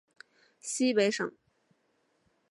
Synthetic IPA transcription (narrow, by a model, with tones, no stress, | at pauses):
ɕi˥pe˧˥ɪʂɤ̰˨˩˦ŋ